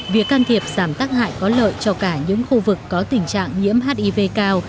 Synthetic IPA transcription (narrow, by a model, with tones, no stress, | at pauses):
vi˨˩əkːaː˧nt̪ʰi˨˩əp̚z̥aː˧˩mt̪aː˦˥k̚ɦa̰ː˧˨jkɔ˨˦lə̰ː˧˨jt͡ɕɔ˧kaː˧˩ɲɨ̰˧˥ŋxu˧vɨ˨˩kːɔ˨˦t̪ï˨˩ŋ̟t͡ɕa̰ː˧˨ŋɲḭ˧˥əmɦaː˦˥t̚ʔi˧ve˧kaː˧w